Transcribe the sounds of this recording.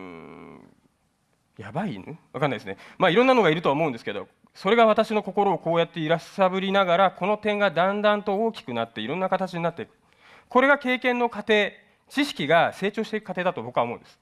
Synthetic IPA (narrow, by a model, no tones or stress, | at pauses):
jabainβakanːaid̪esɨnḛmaːiɾõ̞nːano̞ɡaiɾɯ̟t̪o̞aomo̞ɯ̃nd̪esɨ̥ke̞d̪o̞̰ | so̞ɾe̞ɡaβ̞at̪aɕino̞ko̞ko̞ɾo̞ːko̞ːjat̪ːe̞iɾasabɯ̟ɾʲinaɡaɾako̞no̞t̪ẽ̞ŋɡad̪ãnd̪ãnt̪o̞oːkʲi̥kɯ̟nat̪ːe̞iɾõ̞nːakat̪at͡ɕiɲ̟inat̪ːe̞ikɯ̥ | ko̞ɾe̞ɡake̞ːkẽ̞nːo̞kat̪e̞ː | t͡ɕiɕi̥kʲiɡase̞ːt͡ɕo̞ːɕi̥t̪eikɯ̥kːat̪e̞ːd̪at̪obo̞kɯ̟aomo̞ɯ̰nd̪sɨ̥